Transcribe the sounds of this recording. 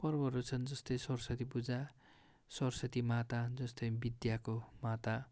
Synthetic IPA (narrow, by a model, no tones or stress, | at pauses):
pʌrbʌɦɾut͡sʰʌnd͡zʌst̪ʌjsʌrsʌt̪ipud͡za | sʌrsʌt̪imat̪ad͡zʌst̪ʌjbid̪jakomat̪a